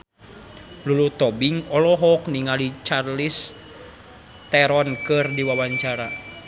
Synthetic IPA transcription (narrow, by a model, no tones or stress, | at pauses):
lulut̪ɔbiŋɔlɔɦɔkniŋalit͡ʃarlis | t̪ɛɾɔnkɨrdiwawaɲt͡ʃaɾa